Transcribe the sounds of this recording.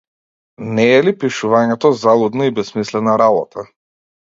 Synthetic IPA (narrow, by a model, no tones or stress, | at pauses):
nɛːlipiʃuvaɲɛt̪ɔzalˠud̪naibɛsmislɛnaɾabɔt̪ʰa